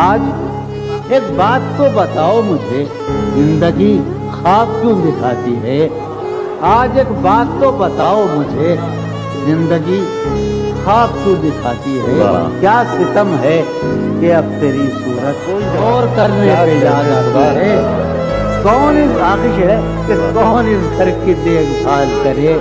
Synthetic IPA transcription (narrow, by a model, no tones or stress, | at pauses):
aːd͡ʒ | eːk̚baːt̪ːobɐt̪aːomʊd͡ʒʱe | zɪ̃nd̪əɡi | xaːskud̪ɪkʰaːt̪iɦɛː | aːd͡ʒeːkbaːt̪ːobɐt̪aːomʊd͡ʒʱe | zɪ̃nd̪əɡi | xaːskud̪ɪkʰaːt̪iɦɛ̰kjaːsɪt̪əmɦɛ | keɐb̚t̪eːɾisuːɾət̪̚koːiɔːɾkɐɾnesejaːnaːt̪aɦɛː | kɔːniaːxiʃɦɛ | kekɔːnɪsɡʱəɾkid̪eːɡbʱaːlkɐɾẽː